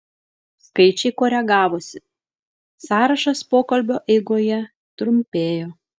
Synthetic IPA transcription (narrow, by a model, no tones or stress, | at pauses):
skɐɪt͡ʃʲɛɪkoːɾʲɛɡɑːʋoːsʲɪ | sɑːɾɐʃɐspoːkɐlʲbʲoːʔɛɪɡoːjɛ | t̪ɾʊmʲpʲeːjoː